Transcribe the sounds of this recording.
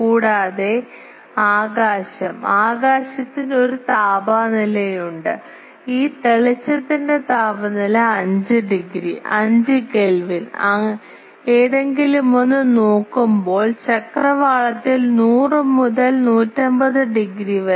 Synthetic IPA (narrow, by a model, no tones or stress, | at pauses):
kuːɽaːðe̞ | aːɣaːɕɐmaːɣaːɕɐt̪ːino̞ɾut̪aːbaːnilɐjuɳɖɨ | iːt̪eɭɐt͡ɕːɐt̪ːinde̞t̪aːbɐnilɐɐɲd͡ʑɨɖiɡɾiʔɐɲd͡ʑɨkelʋinɐ | eːðe̞ŋɡilumo̞nːɨno̞ːkːumbo̞ːɭt͡ɕɐkrɐʋaːɭɐt̪ːilnuːrɨmuðɐlnuːtːɐmbɐðɨɖiɡɾiʋɐ